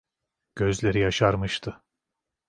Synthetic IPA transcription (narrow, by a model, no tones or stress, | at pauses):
ɟ̥ø̞zlʲe̞ɾijaʃaɾmɯʃt̪ʰɯ